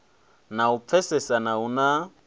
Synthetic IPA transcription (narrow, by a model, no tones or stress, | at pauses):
naup̪fʰɛsɛsanauna